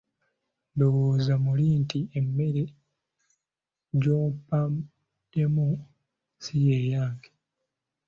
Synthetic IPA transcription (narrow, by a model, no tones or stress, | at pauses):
ndowozamuliːntiemːe̞ɾe | ɟoːmpa | emu | sijejaːŋɡi